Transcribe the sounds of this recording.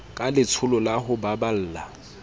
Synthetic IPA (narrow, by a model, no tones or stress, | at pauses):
kʼalɪt͡sʰʊlɔlaɦʊbabal̩ːla̰